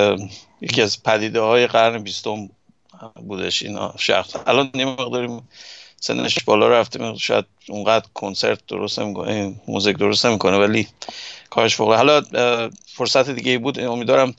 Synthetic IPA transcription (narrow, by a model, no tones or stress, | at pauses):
jḛkʰiæzpʰæd̪iːd̪ehɒːje̞ɢæɾnebist̪o̞m | buːd̪eʃḭn̰ʃæ̰xsʔælɒːnjemeɣd̪ɒːɾimsḛnːʔeʃbɒːlɒ̰ɾæft̪emeʃɒ̰ːjæ̰d̪̥̚uŋɢæd̪ɾkʰonse̞̰ɾt̪̚ʰd̪̥oɾost̪nemiko̰nmṵzikd̪o̞ɾo̞st̪ne̞miːkʰo̞nevælikʰɒːɾeʃfoɣliɦælɒ | foɾsæt̪ʰed̪iɟeiːbuːd̪omiːd̪vɒːɾæm